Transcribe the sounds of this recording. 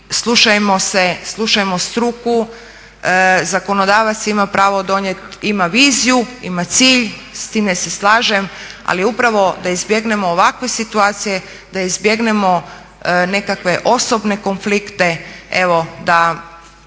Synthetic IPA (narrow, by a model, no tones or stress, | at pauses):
slˠuʃajemo̞seslˠuʃajemost̪ɾuku | zako̞nod̪aːʋat̪simapɾaːʋod̪o̞ɲjet̪imaʋiːzijuimat̪siːʎst̪iːmd̪eseslˠaːʒema̰liupɾaʋo̞d̪aizbje̞ɡne̞mo̞ːʋakʋe̞sit̪uaːt̪sije̞ | d̪̥aizbje̞ɡne̞mo̞ | ne̞kakʋe̞ʔo̞sobne̞ko̞nflikt̪e̞eʋo̞d̪a